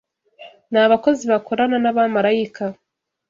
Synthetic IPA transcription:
naβako̞ziβakʰo̞ɾananaβamaɾajika

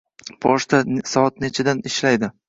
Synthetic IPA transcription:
b̥ɒʃt̪asɒɒt̪net͡ʃʰɪd̪anɪʃlajd̪ɪ

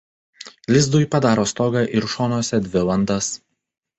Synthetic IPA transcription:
lʲɪzd̪ʊjpɐd̪ɑːɾoːst̪ɔːɡɐʔɪɾʃɔːnoːsʲɛd̪ʲʋʲɪlˠɐnd̪ɐs

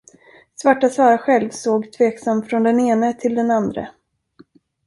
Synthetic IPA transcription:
svaʈːasvɑːɾaɧɛlvsoːɡt̪ʰveːksamfɾɔnd̪ɛneːnət̪ʰɪld̪ɛnand̪ɾə̰

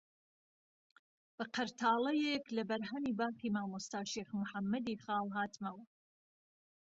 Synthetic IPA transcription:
b̥ɐqʰɐɾt̪ʰaːlˠɐjeklɐbɐɾɦɐmiːbaːχiːmaːmust̪aːʃeːχmʊħamːɐd̪iːχɑːlɦaːt̪mɐwɐ

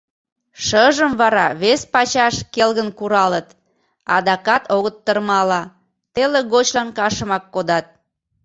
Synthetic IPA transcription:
ʃəʒəmβɑɾɑβespɑt͡ɕɑʃkelɣənkuɾɑlət̪ | ɑd̪ɑkɑt̪oɣət̪ːərmɑlɑ | t̪eleɣot͡ɕlɑnkɑʃə̆mɑkːod̪ɑt̪̚

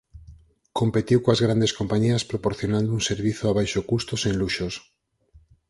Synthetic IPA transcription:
kompet̪iwkoazɣɾand̪eskompaɲiɐspɾopoɾθjonãnd̪ouŋseɾβiθoaβajʃokust̪oseŋluʃos

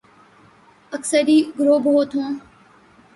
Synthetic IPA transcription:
əksəɾiːɡɾoːbɦoːt̪ʰõː

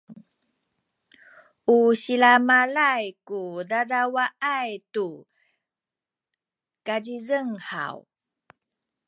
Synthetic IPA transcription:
ʔuɕilamalajkudadawaʔajtu | kaɟizəŋha̰w

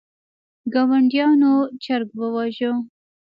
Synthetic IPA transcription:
ɡɑwaɳɖjɑnot͡ʃaɾɡwəwɑʒo

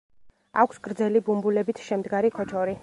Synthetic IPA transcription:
akʷʰsɡ̥ɾd̪zɛlibumbulɛbit̪ʰʃɛmd̪ɡaɾikʰɔt͡ʃʰɔɾi

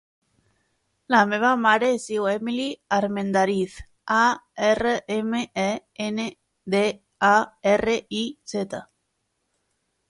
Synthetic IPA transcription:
lameβamaɾeesiwemiliaɾmẽnd̪aɾiθ | aereʔemeʔe | ene | ðe | aereiset̪a

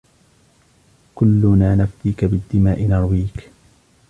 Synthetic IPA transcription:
kʊlːʊnaːnaft̪iːkabɪd̪ːɪmaːʔɪnɑɾˤwiːk

